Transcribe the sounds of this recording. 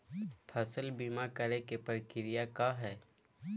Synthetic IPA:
pʰəsəlbimakəɾekepəɾkɪɾijakaɦɛː

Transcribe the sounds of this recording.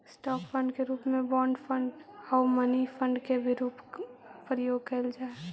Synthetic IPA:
sʈɔːkpʰəɳɖkeɾuːpmẽbɔɳɖpʰə̃ɳɖaʊmənipʰəɳɖkebʱiɾuːppɾəjoːɡ̚kəld͡ʒaːe

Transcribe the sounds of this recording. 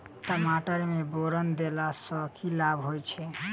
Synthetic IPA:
ʈəmaʈəɾmeboɾənd̪elasəkʰilabɦojt͡ʃʰɛ

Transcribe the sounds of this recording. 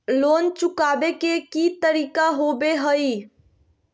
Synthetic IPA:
loːnt͡ʃukabekekit̪əɾiːkaɦobeɦəi

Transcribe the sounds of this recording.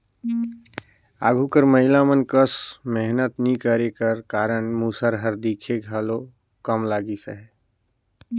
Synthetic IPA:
a̰ːɡʱukəɾməɦɪlamənkəsmɛɦnət̪nĩkəɾekəɾkaːɾəɳmuːsəɾɦəɾd̪iːkʰeɡʱaːlo | kəmlaːɡisə̰ɦɛ

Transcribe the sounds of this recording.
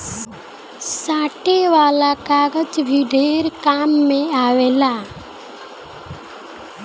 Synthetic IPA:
saːʈeʋaːlakaːɡəd͡ʒbʱiɖʱeːɾkaːmːẽaːweːla

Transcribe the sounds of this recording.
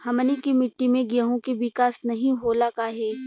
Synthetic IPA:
hɐmənikimɪʈːimẽɡɪəɦõkiʋɪkaːsnɐɦĩɦoːlakaːɦeː

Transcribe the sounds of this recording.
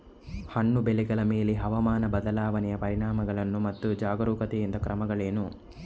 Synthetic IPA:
hɐɳːubeliɡɐɭɐmeːleɦɐʋɐmaːnɐbɐd̪ɐlaːʋɐnɛjɐpɐɾiɳaːmɐɡɐɭɐnːumɐt̪ːud͡ʒaːɡɐɾuːkɐt̪ejind̪ɐkɾʔɐmɐɡɐɭeːnu

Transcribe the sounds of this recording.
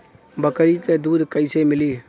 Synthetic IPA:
bəkɾiked̪ud̪kəɪsemɪli

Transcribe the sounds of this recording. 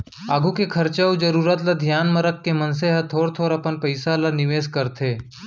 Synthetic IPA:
aːɡʱukekʰɐɾt͡ʃəud͡ʒɐɾuːɾət̪lɐd̪ʱjaːnməɾəkːemɐnseɦɐt̪ʰoːɾt̪ʰoːɾɐpənpəɪsalanɪʋeːskɐɾt̪ʰeː

